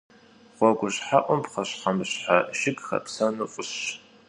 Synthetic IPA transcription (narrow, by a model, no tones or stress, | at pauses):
χʷɔɡʷʊɕħaʔʷʊmpqɐɕħɐmɨɕħaʃɪɡxɐ̰psɐnuʔʷʼʊɕ